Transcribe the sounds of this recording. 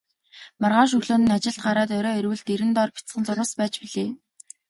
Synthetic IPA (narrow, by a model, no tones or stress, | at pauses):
marʁaːʃ̬ɵɣɮoːnɘ̆nat͡ɕɪ̆ɮt̪̚ɢaɾaːt̪̬ɔɾɔːiɾwɘ̆ɮt̪eɾɘ̆nt̪ɔrpʰʲi̥t͡sχə̆nt͡sʊɾʊ̆spæːt͡ɕpiɮeː